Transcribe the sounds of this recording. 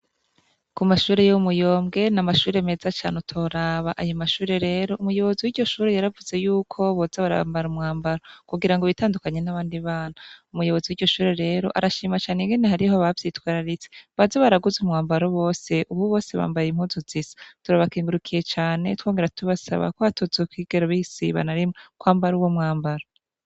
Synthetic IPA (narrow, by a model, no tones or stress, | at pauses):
kumaʃuːɾe̞jomujo̞ːmɡe̞namaʃuːɾe̞me̞ːzat͡ʃa̰ːnutʰo̞ɾaːβaʔajomaʃuːɾe̞ɾe̞ːɾo̞umujo̞βo̞ziwiɾɟo̞ʃuːɾe̞jaɾavuze̞juːkʰo̞βozaβaɾa̰mbaɾumŋaːmbaɾo̞kuɡiɾaŋɡo̞βitaːndukaɲe̞naβaːndiβaːnaumujo̞βo̞ziwiːɟo̞ʃuːɾe̞ɾe̞ːɾo̞̰ʔaɾaʃiːmat͡ʃaːneŋɡeneɦaɾihoβavjiːtwaːɾaɾit͡seβazaβaɾaɡuzumŋaːmbaɾoβo̞ːse̞ʔuβuβo̞ːse̞βa̰ːmbajimhuːzuzisḁtuɾaβakiːŋɡuɾukʰije̞t͡ʃaːne̞two̞ːŋɡe̞ɾatʰuβasa̰βa̰koβatozekwiɡ̥eɾoβihisḭβa̰naɾimokwaːmbaɾuwomŋaːmbaɾo